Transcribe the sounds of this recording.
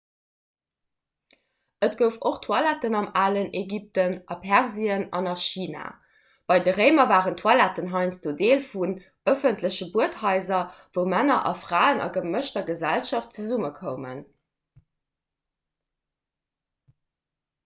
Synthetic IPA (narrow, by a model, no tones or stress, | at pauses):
ətɡ̥əʊfoχtʰwɑlætənɑmaːləneɡip̚tənʔɑpʰæʁziənɑ̰nɑʃiːna̰ː | b̥ɑɪdəʁeɪmɐvaːʁəntʰwɑlætənɦɑɪnsd̥oːdeːlfun | əfəntləɕəbuəthɑɪzɐvəʊmænɐʔɑ̰fʁ̥aːənɑ̰ɡəməʃtɐɡəzælʃɑft̚t͡səzuməkʰəʊmə̰n